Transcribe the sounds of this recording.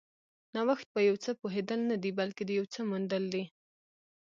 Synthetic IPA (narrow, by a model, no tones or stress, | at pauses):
nawaxt̪̚bəjawt͡səpoɦed̪əlnad̪ibalked̪əjawt͡səmund̪əld̪i